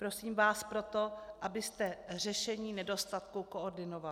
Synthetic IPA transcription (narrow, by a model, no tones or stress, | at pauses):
pɾo̞siːmvaːspɾo̞t̪o̞ʔabɪst̪ɛr̝ɛʃɛɲiːnɛdo̞st̪at̪kuko̞ʔoɾdɪno̞val